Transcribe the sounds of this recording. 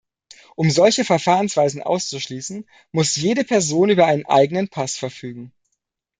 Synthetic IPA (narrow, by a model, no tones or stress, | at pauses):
ʔʊmzɔlçəfɛɐfaːʁənsv̥aɪzn̩ʔa̰ʊst͡suʃliːsn̩ | mʊsjeːdəpʰɛɐzoːnyːbɐʔaɪnənʔa̰ɪɡənənpʰasfɛɐfyːɡŋ̩